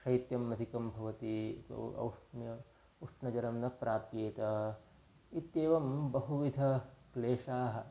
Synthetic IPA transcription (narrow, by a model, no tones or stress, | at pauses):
ʃɐjt̪jɐmːɐd̪ʱikɐmbʱɐʋɐt̪ḭɐ̰wʂjɐ | uʂʈnɐd͡ʒɐɾɐmnɐpɾaːpjeːt̪ɐ | it̪jeːʋɐmbɐɦuʋid̪ʱɐkleːʂaːɦɐ̆